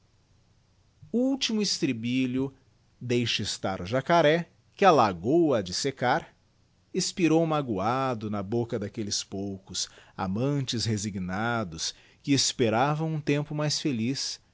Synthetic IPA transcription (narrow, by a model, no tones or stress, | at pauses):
uuwt͡ʃimʊist̪ɾibilʊ | d̪ejʃɪst̪aɾʊʒakaɾɛ | kɪalaɡowɐd͡ʒɪsekaɾ | espiɾowmaɡuad̪ʊnɐbokɐd̪akelɪspowkʊsa̰mɐ̃t͡ʃɪzheziɡnad̪ʊs | kɪːspeɾavɐ̃w̃ũt̪ẽmpʊmajsfelis